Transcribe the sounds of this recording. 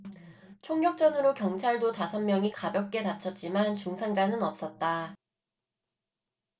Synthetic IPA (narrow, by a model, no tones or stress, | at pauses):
t͡ɕʰoŋɲjʌk̚t͡ɕ͈ʌnɯɾokjʌŋt͡ɕʰaɭdotasʰʌnmjʌŋikabjʌk̚k͈e̞nat͡ɕʰʌt̚t͡ɕ͈imant͡ɕuŋsʰaŋd͡ʑanɯnʌp̚s͈ʌt̚t͈a